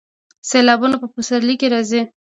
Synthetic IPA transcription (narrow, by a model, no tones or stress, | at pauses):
selɑbunapəpusaɾlikeɾɑzi